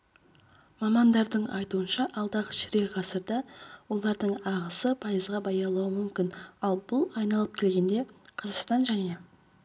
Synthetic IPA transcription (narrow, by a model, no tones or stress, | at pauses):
mɑmɑnd̪ɑɾd̪əɴɑjt̪uənʃɑʔɑlˠd̪ɑʁʃɪɾeʁɑsəɾd̪ɑwo̞lˠɑɾd̪əɴɑʁəsəpʰɑjəzʁɑbɑjɑlˠuwəmʏmkʲɪnɑlˠbʊlˠɑjnɑlˠəp̚kʲʰe̞lɡʲe̞nd̪e̞qʰɑzəqst̪ɑnʒæne